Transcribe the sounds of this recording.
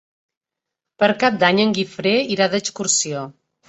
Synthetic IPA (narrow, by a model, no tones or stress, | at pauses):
pəɾkap̚d̪aɲəŋɡifɾeiɾaðəskuɾsio